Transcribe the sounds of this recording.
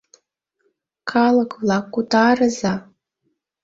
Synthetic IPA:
kʰalakʰʼvlakʷːutʰaːrɨza

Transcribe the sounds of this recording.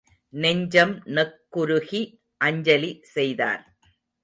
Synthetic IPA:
nɛɲd͡ʒɐmnɐkːʊɾʊɣi | ʔɐɲd͡ʒɐlisɛjða̰ːɾ

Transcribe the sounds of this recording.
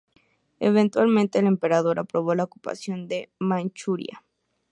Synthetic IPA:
ḛβe̞nt̪walmẽnt̪e̞ːlempe̞ɾaðo̞ɾʔapɾoβolaoku̥pa̰sjo̞nd̪e̞mant͡ʃuɾj̰a̰

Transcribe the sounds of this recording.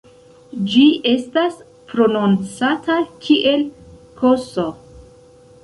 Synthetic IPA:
d͡ʒiʔe̞stas | pɾo̞nont͡satakʰiʔe̞lkʰo̞so

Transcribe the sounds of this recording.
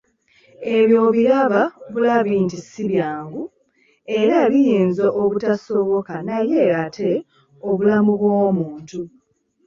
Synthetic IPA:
e̞βjo̞ːβiɾaβaβulaβiːntisiβjaːŋɡu | e̞ɾaβijeːnzoʔːβutasoβokanaje̞ɣatʰe̞ | o̞βulamuβwoːmuːntu

